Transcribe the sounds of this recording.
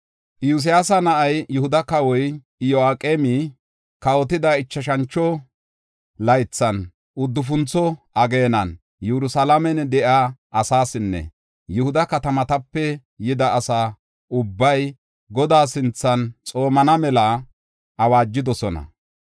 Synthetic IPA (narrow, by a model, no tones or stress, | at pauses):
ʔjus̬ɪjaːsɐnɐʔɐjjʊhʊd̪ɐkɐwɔj | ɪjoaːkʼeːmi | kɐwɔt̪ɪd̪aɪt͡ʃːɐʃɐnt͡ʃːɔ | lɐjt͡sːɐn | ʊd̪ːʊfʊnt͡sːɔʔɐɡe̞ːnɐn | jɛɾʊsɐlamɛnɛd̪ɛʔaːʔɐsaːsɪnːɛ̰ | jʊhʊd̪ɐkɐt̪ɐmɐt̪ɐpːɛ | jɪd̪ɐːsaː | ʔʊbːɐj | ɡɔd̪aːsɪnt͡sːɐnt͡sʼo̞ːmɐnɐmɛlɐ | ʔɐwaːd͡ʒːɪd̪ɔsɔnɐ̰